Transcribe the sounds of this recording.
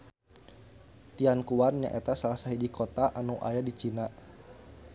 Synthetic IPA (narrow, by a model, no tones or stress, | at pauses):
t̪iankuarɲa̰ʔɛt̪asalasaɦidikot̪aʔanuʔa̰jadit͡ʃina